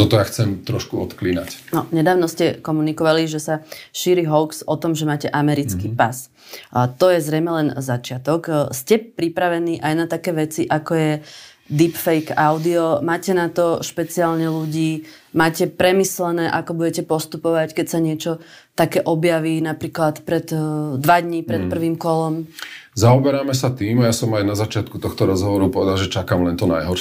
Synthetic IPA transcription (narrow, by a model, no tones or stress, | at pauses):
t̪ɔt̪ɔjaxt͡sɛmt̪ɾɔʃkuɔt̪kliːna̰cnɔɲɛd̪aːʋnɔscɛkɔmunikɔʋaliʒɛsaʃiːɾiɦɔʊksɔt̪ɔmʒɛmaːcɛʔamɛɾit͡skiːpas | t̪ɔjɛzɾɛjmɛlɛnzat͡ʃɪat̪ɔkscɛpɾipɾaʋɛniːʔajnat̪akɛːʋɛt͡siʔakɔjɛ | d̪ipfɛjkaʊd̪iɔmaːcɛnat̪ɔʃpɛt͡siaːlɲɛluɟiː | maːcɛpɾɛmislɛnɛːʔakɔbuɟɛcɛpɔst̪upɔʋackɛcsaɲɪɛt͡ʃɔ | t̪akɛːʔɔbjaʋiːnapɾiːklat̪pɾɛt̪d̪ʋad̪ɲipɾɛt̪̚pr̩ʋiːmkɔlɔmzaɔbɛɾaːmɛsat̪iːmajasɔmajnazat͡ʃɪat̪̚kut̪ɔxt̪ɔɾɔzɦɔʋɔɾupɔʋɛd̪alʒɛt͡ʃakaːmlɛnt̪ɔna̰jɦɔɾ